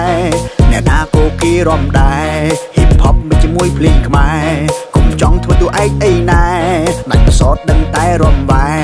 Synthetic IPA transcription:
ɛnɛ̆əʔk̪ʰaːkoːkiəɾŏəmɗaɛhiːpʰːɑp̚mɨc̚t͡ɕiəmuəjpʰliːkʰmaɛkumpʰt͡ɕɑŋt̪ʰʋəːt̪uəʔaɛk̚ʔəjnaɛmac̚pəsɑːt̪̚ɗəŋt̪aɛɾŏəmʋaɛ

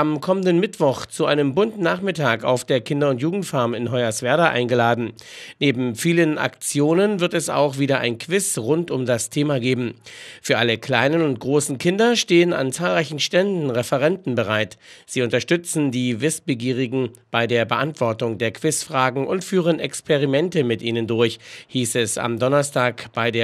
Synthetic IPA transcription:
ʔamkʰɔməndənmɪtv̥ɔχt͡suʔaɪnəmbʊntnaːχmɪtʰaːka̰ʊfd̥eːɐkʰɪndɐʊntjuːɡŋ̩tfaɐmɪnɦɔʏasv̥ɛɐdaʔa̰ɪnɡəlaːdn̩neːbm̩fiːləna̰kt͡sjoːnənvɪɐtɛsa̰ʊxv̥iːdɐʔa̰ɪnkʰv̥ɪsʁʊntʊmdastʰeːmaɡeːbm̩fyːɐʔaləkʰl̥aɪnənʊnt̚ɡ̥ʁoːsn̩kʰɪndɐʃteːəna̰nt͡saːlʁaɪçn̩ʃtɛndn̩ʁɛfəʁ̞ɛntn̩bəʁ̞aɪtz̥iːʊntɐʃtʏt͡sn̩diːvɪsb̥əɡiːʁ̞ɪɡŋ̩b̥aɪdeːɐbəʔantv̥ɔɐtʊŋdeːɐkʰv̥ɪsfʁ̥aːɡŋ̩ʔʊntfyːʁənɛkspʰeʁimɛntəmɪtʔiːnəndʊɐçhiːsɛsa̰mdɔnɐstʰaːkb̥aɪdeː

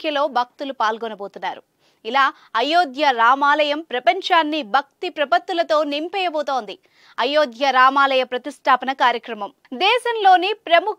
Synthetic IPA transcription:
jɐlo̞ːbʱɐk̚t̪ulupaːlɡonɐboːt̪unːaːɾu | ilaː | ɐjoːd̪jɐɾaːmaːlɐjɐmpɾɐpɐɲt͡ʃaːnːibʱɐk̚t̪ipɾɐpɐt̪ːulɐt̪o̞ːnimpɛːjɐboːt̪o̞ːnd̪i | ɐjoːd̪jɐɾaːmaːlɐjɐpɾɐt̪isʈʰaːpɐnɐkaːɾjɐkɾɐmɐm | d̪ɛːʃɐnlo̞ːnipɾɐmu

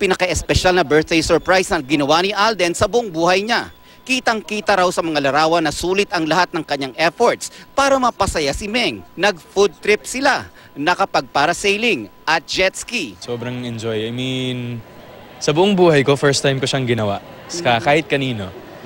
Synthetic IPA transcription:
pɪnɐkɐʔɛspɛʃalnɐbɛɹθ̚d̪ejsɛɹpɹajsnɐŋɡɪnɐwanɪʔald̪ɛnsɐbʊʔoŋbuːhɐjɲa | kiːt̪ɐŋkiːt̪ɐɾawsɐmɐŋalɐɾaːwɐnɐsuːlɪt̪ɐŋlɐhat̪̚nɐŋkɐɲaŋʔɛfoɹt̪spaːɾɐmɐpɐsɐjasɪmɛŋnɐɡ̚fud̪̚t̪ɾɪp̚sɪla | nɐkɐpɐɡ̚paɾɐsejlɪŋʔɐt̪̚d͡ʒɛt̪skisoːbɾɐŋɛnd͡ʒojɐjmin | sɐbʊʔoŋbuːhɐjko̞fɛɹst̪ajmkoʃaŋɡɪnɐwa̰ʔ | skakaːhɪt̪̚kɐniːno̞

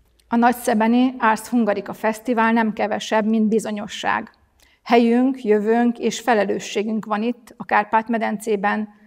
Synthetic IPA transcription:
ɒnɒcsɛbɛniaːrshuŋɡɒɾikɒfɛst̪ivaːlnɛmkɛvɛʃɛbmind̪bizo̞ɲo̞ʃːa̰ːɡ | hɛjyŋkjøvøːŋkeːʃfɛlɛløːʃːeːɡyŋkʋɒnit̪ːɒkaːrpaːt̪mɛd̪ɛnt̪seːbɛn

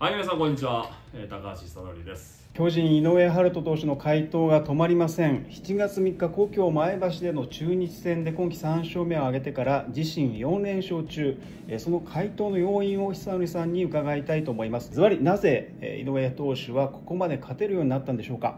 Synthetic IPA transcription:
amʲinas̬ãŋko̞ɲ̟ːit͡ɕiβa | et̪akaɕisano̰ɾʲid̪esɨ̥ | kʲo̞ːʑĩɰino̞eɦaɾɯ̟t̪o̞t̪o̞ːɕino̞kʰait̪o̞ːɡat̪o̞maɾʲimasẽ̞ɴçi̥t͡ɕiɡat͡sɨmʲikːako̞ːkʲo̞ːmaebaɕid̪e̞no̞t͡ɕɨːɲ̟it͡ɕi̥sẽ̞nd̪e̞kõ̞ŋkʲi̥sãɰ̃ɕo̞ːme̞o̞aɡe̞t̪e̞kaɾad͡ʑiɕĩɰ̃jõ̞nɾẽ̞ɰ̃ɕo̞ːt͡ɕɨː | eso̞no̞kʰait̪o̞ːno̞jo̞ːĩɰ̃o̞çi̥sãnɾʲisãɲ̟ːiɯ̟kaɡait̪ait̪o̞ːmo̞imasɨ̥zɨβaɾʲinaze̞̰ | ḭno̞et̪o̞ːɕiβako̞̥ko̞mad̪e̞kʰat̪e̞ɾɯ̟jo̞ːɲ̟inat̪ːãnd̪e̞ɕoːka̰

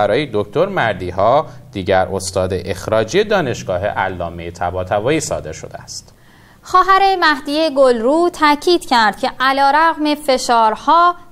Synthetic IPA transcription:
æɾɒːjed̪okʰt̪o̞ɾmæɾd̪iːhɒːd̪̥iːɟæɾʔost̪ɒːd̪eʔexɾɒːd͡ʒijed̪ɒːne̞ʃɡ̥ɒːɦḛʔæ̰lːɒ̰ːmejet̪ʰæbɒːt̪ʰævɒːiːsɒ̰ːd̪e̞ɾʃo̞d̪eæst̪ | xɒːɦæɾe̞mæhd̪ijeɡolɾuːt̪ʰæcʰiːd̪̥cʰæɾd̪̥̚cʰe̞ʔælɒːɾæɣme̞fe̞ʃɒːɾhɒː

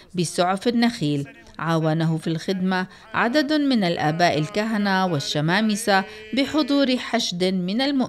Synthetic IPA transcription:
bɪsˤʊʕfanːaxiːl | ʕaːwanaɦʊfilxɪd̪ma | ʕa̰d̪ad̪mɪnalʔaːbaːʔalkaɦanawɪʃːamaːmɪsabɪħʊd̪ˤuːɾħaʃd̪mɪnalmʊʔ

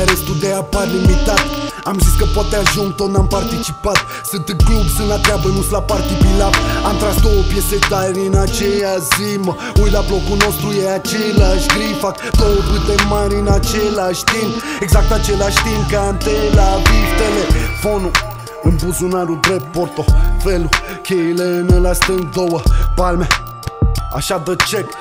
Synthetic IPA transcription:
ɾest̪ud̪ɛapaɾlimit̪at̪amziskəpɔd̪̚t̪ːaʒũnt̪od̪nampaɾt̪it͡ʃipat̪ | sɨnt̪ɨklubsɨ̃nat̪ɾeabɐnũslapaɾt̪ipilavamt̪ɾasd̪opjeset̪d̪aɛɾĩnat͡ʃeazimɐ | ujlablɔkunost̪ɾuɛat͡ʃelaʃɡɾifakd̪owəpɨt̪emaɾinat͡ʃelaʃt̪ineɡzak̚t̪at͡ʃelaʃt̪inkant̪elavivt̪elefonu | ɨnbuzunaɾud̪ɾepoɾt̪ofelu | kʲelenəlast̪ənd̪owəpalma | a̰ʃad̪ət͡ʃek

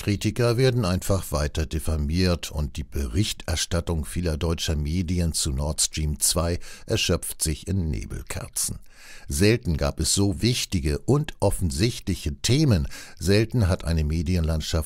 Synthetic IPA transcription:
kʁ̥iːtɪkɐveːɐdn̩ʔaɪnfaχv̥aɪtɐdefamiːɐtʰʊnt̚d̥iːb̥əʁɪçtɛɐʃtatʊŋfiːlɐdɔʏt͡ʃɐmeːdiənt͡sunɔɐtstʁ̥iːmt͡sv̥aɪʔɛɐʃœp͡ftz̥ɪçɪnːḛːbl̩kʰɛ̰ɐt͡sn̩ | zɛltn̩ɡa̰ːpɛsz̥oːvɪçtɪɡəʔʊntʔɔfn̩zɪçtlɪçətʰeːmənzɛltn̩ɦatʔa̰ɪnəmeːdiənlantʃaf

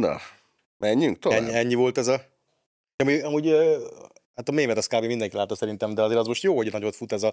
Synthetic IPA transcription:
nɔ̰ | mɛɲːyŋk̚t̪oɛɲːiɛɲːivo̞lt̪ɛzɒ | ɒmiɒmuɟø | hat̪ɒmeːmɛt̪ɒskaːbemind̪ɛŋkilaːt̪ːɒsɛɾint̪ɛmd̪ɛɒzeːɾɒzmo̞ʃt̪joːoɟnɒɟot̪fut̪ɛzɒ

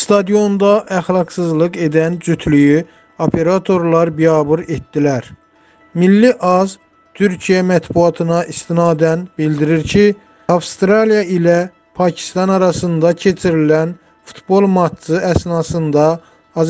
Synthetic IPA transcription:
st̪ɑd̪ijo̞nd̪ɑʔæxlˠɑɡsɯzlˠɯɡe̞d̪ænd͡ʒyt̪ʰlyjy | opʰe̞ɾɑt̪ʰo̞ɾlˠɑɾbijɑːbuɾet̪̚d̪ilæɾ | milːiʔɑz | t̪ʰyɾcʰijæmæt̪buɑt̪ʰɯnɑʔist̪inɑːd̪ænbild̪iɾiɾcʰi | ɑfst̪ɾɑlijɑilæ | pʰɑcʰi̥st̪ɑnɑɾɑsɯnd̪ɑcʰe̞t͡ʃʰiɾilæn | fu̥t̪ʰbo̞lˠmɑt͡ʃːɯʔæsnɑsɯnd̪ɑː | z

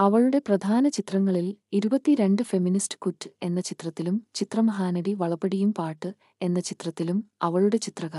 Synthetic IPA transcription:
ɐʋɐɭuɽe̞prɐd̪ʱaːnɐt͡ɕit̪rɐŋːɐɭiliɾubɐt̪ːiɾe̞ɳɖɨfe̞ministɨ̥kutːɨ̥e̞nːɐt͡ɕit̪rɐt̪ːilumt͡ɕit̪rɐmɐɦaːnɐɽiʋɐɭɐpːɐɽijumpaːʈːɨ | e̞nːɐt͡ɕit̪rɐt̪ːilumɐʋɐɭuɽe̞t͡ɕit̪rɐɣɐ

